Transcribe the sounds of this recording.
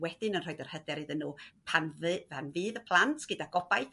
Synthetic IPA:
wɛdɪnənrɔɨdər̥hədɛɾeðənːuːpʰanvvanviːðəpʰlˠantʰɡ̥ədaɡɔb̥ajθ

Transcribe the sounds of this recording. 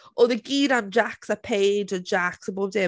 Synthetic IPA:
ʔɔðəɡiːɾãnd͡ʒaksəpʰeɪdəd͡ʒaksəbʊvdɛ

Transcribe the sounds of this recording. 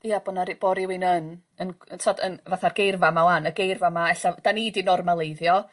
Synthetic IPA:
iabɔnaɾib̥ɔɾɪwɪnən | əntʰɔdənvaθarɡejrvamawanəɡejrvamaɛɬad̥anidinɔrmalˠejðjɔ

